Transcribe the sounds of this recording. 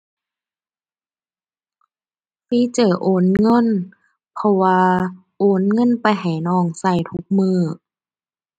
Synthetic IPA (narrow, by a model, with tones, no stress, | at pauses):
fiː˧˥˨t͡ɕɤː˨˩ʔoː˨˦nŋɤ˧˥˨n | pʰɔ˧waː˧ | ʔoː˨˦nŋɤ˧˥˨npa˨jɦa˨˩jnɔː˧˩ŋsa˧˩jt̪ʰu˦˥k̚mɯː˧˩